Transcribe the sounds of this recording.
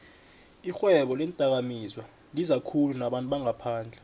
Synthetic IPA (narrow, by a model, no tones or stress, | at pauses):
ixwɛɓɔlɛntʼak̬amiːzwa | ŋizakʰulunaɓantʼɓaŋapʰaːnd͡ɮʱɛ